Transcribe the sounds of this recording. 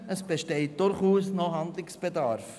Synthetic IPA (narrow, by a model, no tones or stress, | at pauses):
əsb̥eʃtɛɪt̚d̥ʊɾχuːsnoɦɑndlɪksb̥edɑɾf